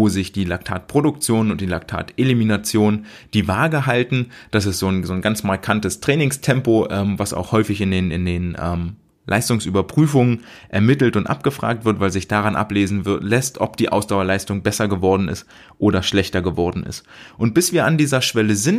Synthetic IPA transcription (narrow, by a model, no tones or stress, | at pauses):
voːzɪçd̥iːlaktʰaːtpʁ̥odʊkt͡sjoːnʊnt̚d̥iːlak̚tʰa̰ːtʔeliminat͡sjoːn | d̥iːvaːɡəɦaltn̩d̥as̬ɛstz̥oːnzoːnɡant͡smaɐkʰantəstʁ̥ɛːnɪŋstʰɛmpoʔɛːmvasa̰ʊxhɔʏfɪçɪndeːnɪ̰ndeːnʔɛ̰ːm | lʔa̰ɪstʊŋsʔyːbɐpʁ̥yːfʊŋən | ʔɛ̰ɐmɪtl̩tʊntʔa̰p̚ɡ̥əfʁ̥a̰ːk̚tv̥ɪɐtv̥aɪlzɪçd̥aʁanʔa̰pleːzn̩lɛstʔɔ̰pd̥iːʔa̰ʊsd̥aʊɐlaɪstʊŋbɛsɐɡəvɔɐdn̩ɪ̰st | ʔoːɾɐʃlɛçtɐɡəvɔɐdn̩ɪ̰st | ʔʊnt̚b̥ɪsv̥iːɐandiːzɐʃv̥ɛləzɪnt